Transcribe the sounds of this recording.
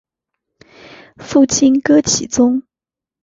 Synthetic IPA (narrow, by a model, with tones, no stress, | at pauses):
fu˥˩t͡ɕʰi˥nkɤ˥t͡ɕʰi˨˩t͡sʊ˥ŋ